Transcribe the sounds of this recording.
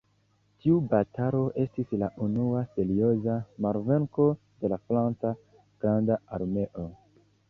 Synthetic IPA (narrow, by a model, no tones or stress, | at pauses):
tiubataɾo̞ʔe̞stislaʔunuase̞ɾio̞zamaɾve̞ŋko̞ | d̥e̞lafɾant͡sa | ɡ̥ɾandaaɾme̞ʔo̞